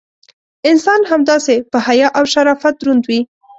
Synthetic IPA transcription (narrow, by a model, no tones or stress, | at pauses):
ɪnsɑnɦamd̪ɑsepəhajɑʔawʃaɾɑfat̪̚d̪ɾʊnd̪wi